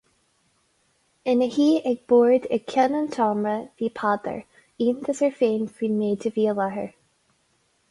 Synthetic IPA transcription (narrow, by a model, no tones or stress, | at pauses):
ɪnəhiːɛɡ̚b̥oːɹd̪ɛɡ̚kʰɛnənt̪ʰɑːmɹəviːpʰaːd̪ə̰ɹ | iːnt̪ʰəsəɹfeːnfɹiːnmeːtʰəviːəlɛhəɹ